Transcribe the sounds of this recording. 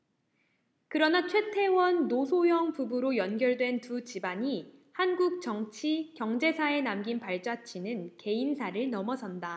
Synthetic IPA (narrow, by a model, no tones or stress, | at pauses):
kɯɾʌnat͡ɕʰwe̞tʰe̞wʌnːosʰojʌŋpubuɾojʌnɡjʌɭdwe̞ntut͡ɕibaɲihanɡuk̚t͡ɕʌŋt͡ɕʰikjʌŋd͡ʑe̞sʰae̞namɡinpaɭt͡ɕ͈at͡ɕʰinɯnke̞insʰaɾɯɭnʌmʌsʰʌnda